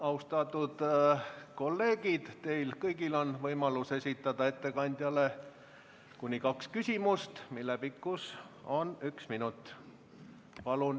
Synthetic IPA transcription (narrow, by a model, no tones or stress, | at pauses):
ɑuwst̪ɑt̪ːˑud̪̥ | ko̞lːe̞ːɡ̥id̪̥t̪e̞jlkɤjɡ̥ilo̞nvɤjmɑluse̞sʲit̪ːˑɑd̪̥ɑe̞t̪ːe̞kɑnʲd̪̥ʲjɑle̞ | kunʲːikɑkskysʲimust̪milːepikːus | o̞nyksminut̪ːˑ | pɑlun